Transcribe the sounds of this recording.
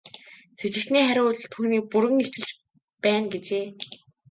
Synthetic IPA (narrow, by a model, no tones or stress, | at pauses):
set͡ɕɪ̆kt̪niːχæɾʲʊːɮt̪ʰuːniːk̚puɾɘ̆ŋeɬt͡ɕɪ̆ɮt͡ɕ | pæːnɡet͡ɕeː